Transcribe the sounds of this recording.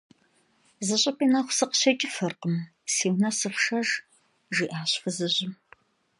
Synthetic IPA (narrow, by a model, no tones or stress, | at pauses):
zɨɕʼɐpʼiːnɐχʷsɨqɕɐt͡ʃʼɪfɐrqəm | siːwnɐsɨxʂɐr | ʒiːʔaːɕfɨzɨʑɪm